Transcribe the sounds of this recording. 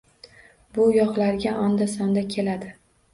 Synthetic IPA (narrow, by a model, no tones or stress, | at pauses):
bʊjɒχlaɾɡʲaʔɒnd̪asɒnd̪akʲʰe̞lad̪ɪ